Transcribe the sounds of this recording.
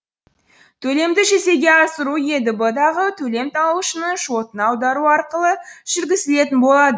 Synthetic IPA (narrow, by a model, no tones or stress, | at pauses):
t̪ʰɵle̞md̪ɪʒe̞se̞ɡʲe̞ɑsəɾuje̞d̪ɪbəd̪ɑʁət̪ʰɵle̞mt̪ʰɑuəʃənəɴʃot̪ənɑwd̪ɑɾuɑɾqəlˠəʒ̥ɪɾɡʲɪsɪle̞t̪ɪnbo̞lˠɑd̪ə